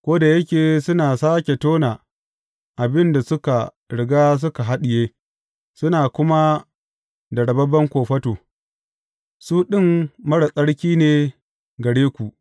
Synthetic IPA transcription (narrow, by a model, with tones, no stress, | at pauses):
kʷoː˦da˨jɐ˦kʲeː˨sʊ˦naː˨saː˦kʲe˨toː˦naː˨ | ʔa˨bɪ˦nda˨sʊ˦ka˨ | ɽɪ˨ɡaː˦s̬ʊ˦ka˨ɦa˦ɗɪ˨jeː˦ | sʊ˦naː˨kʷʊ˦ma˦ | dɐ˨ɽɐ˨bɐ˦bɐ˦ŋkʷoː˨ɸɐ˦toː˨ | suː˦ɗɪ˦mmɐ˦ɽa˨sʼɐ˦ɽkʲiː˦neː˨ | ɡɐ˨ɽeː˦kʷu˨ʔ